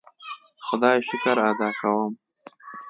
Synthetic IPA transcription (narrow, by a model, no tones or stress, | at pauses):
xʊd̪ɑːjʃʊkaɾad̪ɑːkawəm